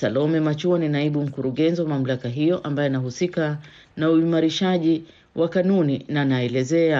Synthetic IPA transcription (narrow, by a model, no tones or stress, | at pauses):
salɔmɛmat͡ʃuaninaiɓum̩kuɾuɠɛnziwamam̩lakaɦijɔʔambajɔnaɦusika | nauimaɾiʃaʄi | wʔakanuninanaɛlɛzɛa